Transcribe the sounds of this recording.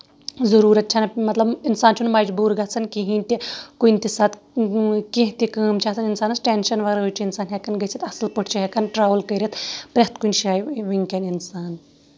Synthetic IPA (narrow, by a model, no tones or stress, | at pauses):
zɐɾuːɾɐt̪̚t͡ʃʰɐnmɐt̪lɐbinsaːnt͡ʃʰunmɐd͡ʒbuːɾɡɐt͡sʰɐnkiɦĩnt̪ʲikunʲt̪isɐt̪ | kẽɦt̪ikəːmt͡ʃʰat͡sʰɐninsaːnɐsʈenʃɐnʋɐɡɾɦot͡ʃʰiinsaːnɦekɐnɡɐjt͡sʰit̪ɐslpɐʈʰt͡ʃʰiɦekɐnʈɾaːʋlkɐɾʲɐt̪pɾʲɐɦt̪kunʃaːjʋiŋkʲɐninsaːn